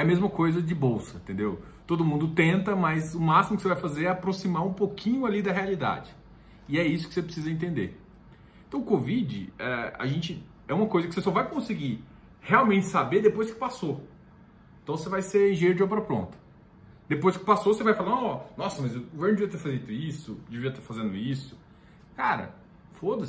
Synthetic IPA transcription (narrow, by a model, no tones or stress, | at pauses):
ɛɐmezmɐkojzɐd͡ʒɪbowsɐẽt̪ẽnd̪ewt̪od̪ʊmũnd̪ʊt̪ẽnt̪ɐmɐjzʊmasimʊkɪsevajfazeɾɛapɾosimaũpokʰĩɲʊalid̪ɐɦealid̪a̰d͡ʒɪ | ɪɛisʊ̥kɪsepɾɪsizɐẽnt̪̬ẽnd̪ḛ | ẽt̪ɐ̃w̃ʊkovid͡ʒɪ̰ɛa̰ʒẽnt͡ʃɪ | ɛũmɐkojzɐkɪsesɔvajkõsɪɡi | heawmẽnt͡ʃɪ̥sabeɾd̪epojskɪ̥paso | ẽt̪ɐ̃w̃sevajseɾẽʒeeɾʊd͡ʒɪɔpɾɐpɾõ̰nt̪ɐ̥ | d̪̥epojskɪ̥pasosevajfalaɾɔɔnɔsɐmɐzʊɡoveɾnd͡ʒɪviɐt̪eɾfazid̪ʊisʊd͡ʒɪviɐt̪afazẽnd̪ʊisʊ̥ | kaɾɐ̰ | fod̪ɐs